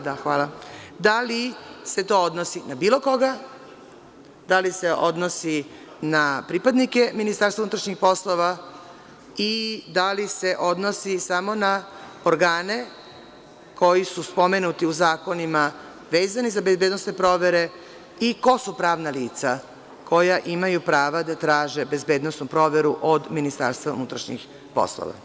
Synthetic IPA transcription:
d̪axʋaːlˠad̪alise̞t̪o̞od̪no̞sinabiːlˠo̞ko̞ɡa | d̪alise̞ʔo̞d̪no̞si | napɾipad̪nike̞minist̪aɾst̪auut̪ɾaʃɲixpo̞slo̞ʋa | id̪alise̞ʔo̞d̪no̞sisamo̞na | oɾɡaːne̞ | ko̞jisuspo̞menut̪iuzaːko̞nima | ʋeːzanizabe̞zbeːd̪nosne̞pɾo̞ʋe̞ɾe̞ | iko̞supɾaːʋnaliːt̪sa | kʰo̞jaʔimajupɾaːʋad̪at̪ɾaːʒe̞be̞zbeːd̪nosnupɾo̞ʋe̞ɾuʔod̪minist̪a̰ɾst̪ʋaṵnut̪ɾaʃɲḭx | po̰slo̰ʋa̰

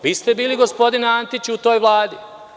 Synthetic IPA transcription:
ʋist̪ebiːliɡo̞spo̞d̪inant̪it͡ɕut̪o̞ːjʋlˠaːd̪i

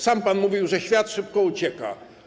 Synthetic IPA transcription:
sampanmuvʲiwʐɛɕfʲjat̪ʂɘp̚kɔut͡ɕɛka̰

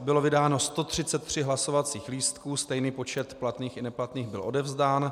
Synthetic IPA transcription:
bɪlo̞vɪdaːno̞st̪o̞t̪r̝̥ɪt͡sɛt̪ːr̝̥ɪɦlaso̞vat͡siːxliːst̪kuːst̪ɛjniːpo̞t͡ʃɛt̪plat̪niːxɪnɛplat̪niːxbɪlʔo̞dɛvzdaːn

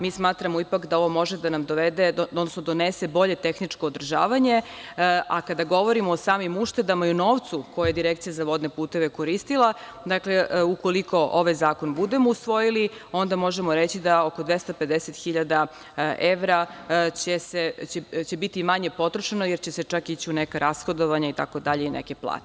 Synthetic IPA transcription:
miːsmaːt̪ɾamoipakd̪ao̞ʋo̞mo̞ʒed̪anamd̪oʋed̪eod̪nosnod̪o̞nese̞bo̞ʎe̞t̪e̞xnit͡ʂkoːd̪r̩ʒa̰ːʋaɲe̞ | akad̪aɡo̞ʋo̞ɾimoːsaːmimuʃt̪e̞d̪amaiunoːʋt̪suko̞jajed̪iɾekt̪sijazaʋo̞d̪ne̞puːt̪e̞ʋe̞koɾist̪ilˠa | d̪akle̞uko̞liko̞ʔoʋajzaːko̞nbud̪e̞mousʋo̞jili | o̞nd̪amo̞ʒemo̞ɾet͡ɕid̪aoko̞d̪ʋest̪ape̞d̪eset̪xiʎad̪a | ʔeʋɾat͡ɕeset͡ɕet͡ɕe̞bit̪imaɲe̞po̞t̪ɾoʃanojeɾt͡ɕeset͡ʂakit͡ɕiunekaɾasxo̞d̪o̞ʋaɲait̪a̰ko̞d̪aʎe̞inḛke̞plˠa̰ːt̪e̥

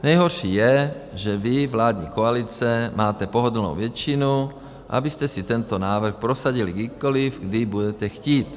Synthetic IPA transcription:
ɲajɦɔɾʃiːjɛʒɛʋivlaːd̪ɲḭːkɔalit͡sɛmaːt̪ɛpɔɦɔd̪lnɔ̰ʊʋɛt͡ʃinu | ʔa̰biscɛsit̪ɛnt̪ɔnaːʋr̩xpɾɔsaɟiliɡd̪ikɔlifɡd̪ibuɟɛcɛxciːt̪

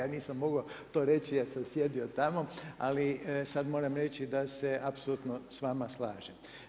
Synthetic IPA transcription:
aːniːsamːo̞ɡot̪o̞ːɾe̞t͡ɕijasamsje̞d̪iot̪amo̞a̰lisad̪mo̞ːɾamɾet͡ʃid̪aseʔapsolut̪nosʋamaslˠaːʒem

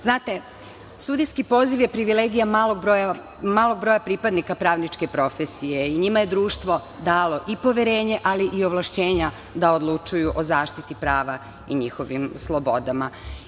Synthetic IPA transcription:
znaːt̪e̞ | sud̪iskipo̞ːziʋje̞pɾiʋile̞ɡijamaloɡ̚ɾoja | maːlˠoɡ̚bɾo̞japɾipad̪nikapɾaːʋnit͡ʃke̞pɾo̞fesije̞iɲimaje̞d̪ɾuːʃt̪ʋo̞ | d̪aːlo̞ʔipo̞ʋeɾe̞ːɲe̞ʔaliʔio̞ʋlˠaʃt͡ɕe̞ːɲa | d̪aod̪lˠut͡ʃujuʔozaːʃt̪it̪ipɾaːʋa | iɲixo̞ʋimslˠo̞bo̞d̪ama

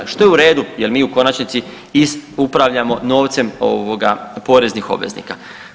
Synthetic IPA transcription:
ʃt̪o̞jeuɾe̞ːd̪ujelmiːuko̞nat͡ʃnit̪si | izupɾaʋʎamo̞no̞ːʋt̪se̞mo̰ʋoɡapo̞ːɾe̞znixo̞̰bʋe̞̰znḭːka

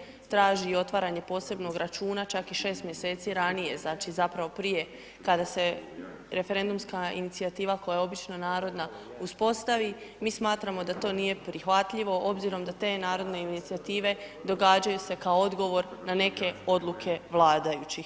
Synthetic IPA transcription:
t̪ɾaːʒiːo̞t̪ʋaːɾaɲe̞po̞ːse̞bno̞ɡɾat͡ʃuːnat͡ʃakiʃe̞ːst̪mje̞se̞ːt̪siɾanije̞znaːt͡ʃizapɾaʋo̞pɾije̞ | kad̪ase̞ | ɾe̞fe̞ɾe̞nd̪umskaḭnit̪siat̪iːʋako̞jajeo̞bit͡ʃno̞naːɾo̞d̪na | uspo̞st̪aʋimiːsmaːt̪ɾamo̞d̪at̪o̞ːnije̞pɾixʋat̪ʎiʋo̞ʔo̞bziɾo̞md̪at̪e̞ːnaːɾo̞d̪ne̞init̪siat̪iːʋe̞ | d̪o̞ɡaːd͡ʒajuse̞kaoo̞d̪ɡo̞ʋo̞ɾnane̞ke̞o̞d̪lˠukʰe̞ʋlˠaːd̪ajut͡ɕi

